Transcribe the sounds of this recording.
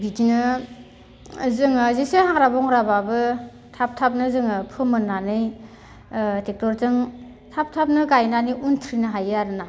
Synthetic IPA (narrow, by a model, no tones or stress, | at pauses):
ɡitinɯ | zɯŋɯzesehaŋɾabɔŋɾababɯ | tʰap̚tʰap̚nɯzɯŋɯpʰɯmɯnːanɯj | tek̚tɔɾzɯŋ | tʰap̚tʰap̚nɯɡajnaniʔuntʰɾinɯɦajaɾɯna